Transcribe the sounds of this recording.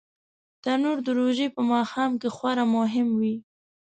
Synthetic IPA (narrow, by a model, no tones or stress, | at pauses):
d̪̥ɑnoɾd̪əɾoʒepəmɑxɑmkexwɑɾamʊɦɪmwi